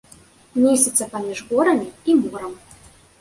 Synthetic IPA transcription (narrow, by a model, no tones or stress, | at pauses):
nʲesʲɛt̪sʲːɐpamʲiʐɣɔɾɐmʲiimɔɾɐm